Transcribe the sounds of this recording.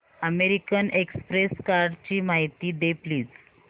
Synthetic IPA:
əmeɾikənekspɾeskaɾɖt͡ɕiːmaɦit̪iːd̪epliːd͡z

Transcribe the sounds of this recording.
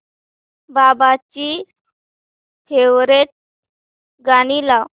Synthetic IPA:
babat͡ɕi | t̪ʰewɾet̪̚ | ɡaɽ̃ilaw

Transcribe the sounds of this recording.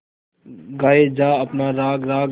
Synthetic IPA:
ɡaːeːd͡ʒaːəpnaːɾaːɡɾaːɡ

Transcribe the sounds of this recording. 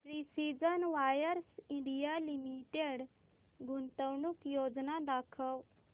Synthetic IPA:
pɾisid͡ʒənʋaːjəɾsĩɳɖijalimiʈeɖ | ɡʊnt̪əwnukjoːd͡ʒnad̪aːkʰəw

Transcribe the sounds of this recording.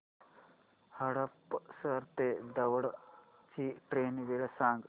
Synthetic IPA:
hɐɽɐpːsɐɾt̪ed̪ɐʋɐɽ | t͡ʃiʈɾeːnʋiɽɐsaːŋɡ

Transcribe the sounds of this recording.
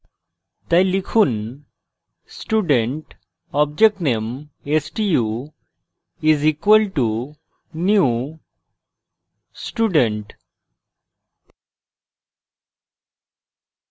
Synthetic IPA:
t̪ajlikʰun | sʈuɖẽɳʈ | ɔbd͡ʒek̚ʈnemesʈiju | izikwəlʈu | nju | sʈuːɖẽɳʈ

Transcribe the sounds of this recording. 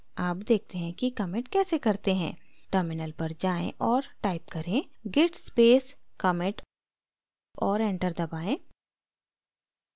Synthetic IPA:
aːpd̪eːk̚ʰt̪eɦɛ̃kikɐmẽʈ̚kɛːsekɐɾt̪eɦɛ̰̃ːʈəɾmɪnəlpɐɾd͡ʒaːḛ̃ʔɔːɾʈaːɪp̚kɐɾẽɡɪʈspeːskəmẽʈ | ɔːɾɛ̃ːɳʈəɾd̪ɐbaːẽː

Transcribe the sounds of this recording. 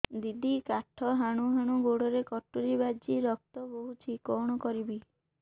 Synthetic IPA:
d̪id̪ʱikaʈʰɔɦaɽ̃uɦaɽ̃uɡoɽɔɾekɔʈːuɾibad͡ʒiɾɔk̚t̪ɔboɦut͡ʃʰikɔɽ̃ɔkɔɾibi

